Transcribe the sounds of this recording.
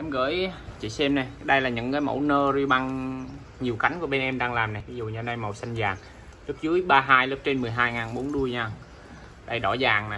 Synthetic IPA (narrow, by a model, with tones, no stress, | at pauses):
ʔɛ˧mɣə̰ː˧˩˨jt͡ɕḭ˧˨sɛ˧mna˨˩jɗə˧jlaː˨˩ɲɨ̰˧˥ŋkaː˨˦jmo̰˧˩wnəː˧zi˧ɓa˧ŋ | ɲi˨˩əwka˨˦jŋ̟ku˧˩əɓe˧nʔɛ˧mɗaː˧ŋlaː˨˩mna˨˩jvi˨˦zṵ˨ɲa˧na˧jmo˨˩jsa˧jŋzaː˨˩ŋ | lɨ˦˥p̚zɨ˨˦əjɓaː˧ɦaː˧jlɨ˦˥p̚t͡ɕe˧nmɨ˨˩əjɦaː˧jŋaː˨˩nɓo˨˦nɗu˧əjɲaː˧ | ɗə˧jɗɔ˧˩zaː˨˩ŋna˨˩j